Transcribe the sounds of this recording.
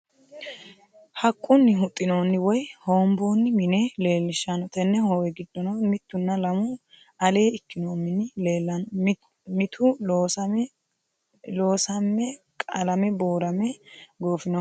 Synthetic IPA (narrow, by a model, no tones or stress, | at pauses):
hɐkʼːʊnːɪɦʊt̪ʼːɪno̞ːnːɪwɔjho̞ːmbo̞ːnːɪmɪne̞ːle̞ːlːɪʃːanɔt̪ɛnːɛhoːwɛɡɪd̪ːɔnɐwmɪt̪ːʊnːɐlɐmʊ | ɐle̞ːɪkːɪnoːmːɪnːɪlːlɐ | mɪt̪ʰʊ | loːsɐmːɛ | kʼɐlɐmɛboːɾɐmɛɡo̞ːfɪnɔ